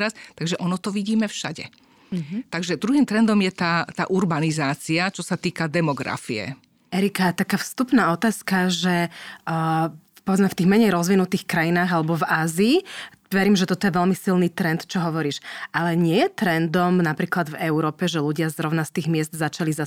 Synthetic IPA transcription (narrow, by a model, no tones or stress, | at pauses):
ɾast̪aɡʒɛʔɔnɔt̪ɔʋiɟiːmɛfʃa̰ɟɛ̰ | t̪aɡʒɛd̪ɾuɦiːmt̪ɾɛnd̪ɔmjɛt̪aːt̪a̰ːʔuɾbanizaːt͡siat͡ʃɔsat̪iːkad̪ɛmɔɡɾa̰fiɛ̰ | ɛɾikat̪akaːfst̪upnaːɔt̪aːskaʒɛ | pɔʋɛd͡zmɛft̪iːɣmɛɲɛjɾɔzʋinut̪iːxkɾajinaːɣalɛbɔvaːziː | ʋɛɾiːmʒɛt̪ɔt̪ɔjɛʋɛlmisilniːt̪ɾɛnt̪t͡ʃɔɦɔʋɔɾiːʃʔalɛɲɪɛjɛt̪ɾɛnd̪ɔmnapɾiːklad̪vɛʊɾɔːpɛʒɛluɟɪazɾɔʊnast̪iːɣmɪɛzd̪zat͡ʃaliza